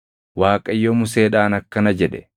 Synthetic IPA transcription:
waːkʼɐjːomʊse̞ːᶑaːnɐkːɐnɐd͡ʒɛᶑɛ̥

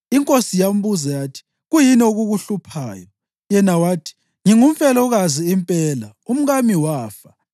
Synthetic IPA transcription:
iŋkʼosijam̩βuzɛjaːtʰi̥ | ɣujinioɣuɣuɬupʰaːjɔ | jɛnawaːtʰi̥ | ŋiŋumfɛlɔɣaziimpʼɛla | um̩ɣamiwaːfa

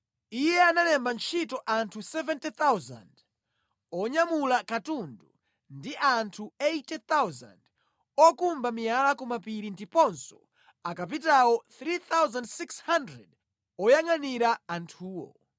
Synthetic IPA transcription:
ijɛananɛmbant͡ʃʰitɔʔantʰusɛvɛntit̪awza̰nd | ɔɲamulakatundu | ndiʔantʰuejtɛt̪awza̰nd | ɔkumbamialakɔmapiɾindipɔnsɔ̥ | akap̬itawɔt̪ɾit̪awzandsikshandɾɛ̰d | ɔjaŋaniɾaːntʰuːwɔ̰

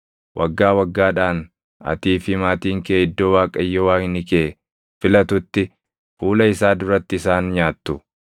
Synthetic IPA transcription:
wʔɐɡːaːwɐɡːaːᶑaːn | ɐ̰t̪iːfɪmaːt̪iːŋkɛːɪd̪ːoːwaːkʼɐjːɔwaːnɪkeː | fɪlɐt̪ʊt̪ːɪ | fuːlɐɪsaːd̪ʊɾɐt̪ːɪsaːnɲaːt̪ːʊ

